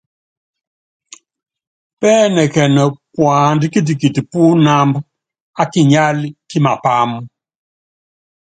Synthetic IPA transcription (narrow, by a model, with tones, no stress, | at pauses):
pɛː˦nɛ˨kɛ˨nə˨kwa˨ndi˦ki˦t̬i˨ki˨ti˨pu˦na˦mb | a˦ki˨ɲa˦lki˦ma˨pa˦m